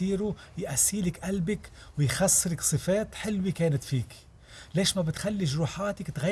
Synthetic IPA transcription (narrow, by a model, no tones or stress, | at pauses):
iːɾujʔasːiːlɪkʔalbɪk | wɪjxasːɾɪksˤɨfeːt̪ħɪlwikeːnɪt̪fiːk | leːʃmabɪt̪xalːiʒɾuːħaːt̪ɪkt̪ɣa